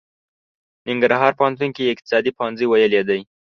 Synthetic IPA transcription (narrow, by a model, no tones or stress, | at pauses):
nɪŋɡɾɦɑɾpəant̪unkiɪk̚t̪ɪ̥sɑd̪ipɦanziwajəled̪aj